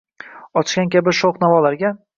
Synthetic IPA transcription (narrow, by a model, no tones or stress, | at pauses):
ɒt͡ʃɡʲankʲabɪʃoqnavɒlaɾɡʲa